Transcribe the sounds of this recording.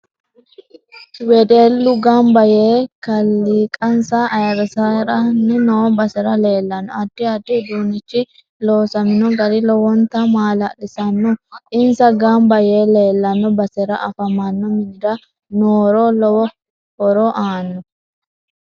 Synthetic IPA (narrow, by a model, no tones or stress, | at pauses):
wɛd̪eːlːʊɡɐmbɐjeːkɐlːiːkʼɐnsaɐjɐɾsɐɾɐnːɛnoːbɐsɛɾɐle̞ːlːɐnːɔɐd̪̥ːɪɐd̪ːɪd̪uːnːɪt͡ʃːɪ | loːsɐmɪnɔɡɐd̪ɪlɔwɔnt̪ːɐmaːlɐlɪsɐnːɔʔɪnsɐɡɐmbɐjeːle̞ːlːɐnːɔbɐsɛɾɐ̰ʔɐfɐmanːɔmɪnd̪ɐ | noːɾolɔwɔ | hɔɾɔʔaːnːɔ